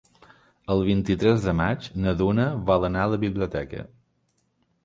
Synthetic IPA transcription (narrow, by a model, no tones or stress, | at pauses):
əlˠβ̞int̪it̪ɾɛzðəmad͡ʒnəðunəβalənaələβiβliut̪ɛkə̰